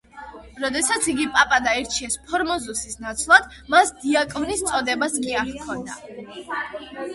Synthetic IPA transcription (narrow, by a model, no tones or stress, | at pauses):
ɾɔd̪ɛsat̪sʰiɡipʼapʼad̪aɛɾt͡ʃʰiɛspʰɔɾmɔzusisnat̪sʰlˠad̪̥ | masd̪iakʼɔnist̪sʼɔd̪ɛbaskʼiaχkʰɔnd̪a